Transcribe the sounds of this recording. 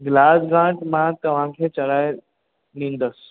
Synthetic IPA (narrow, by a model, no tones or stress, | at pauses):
ɡlaːsɡãʈmãt̪ɐʋ̤ãkʰet͡ʃɐɽaːje | nĩːnd̪əs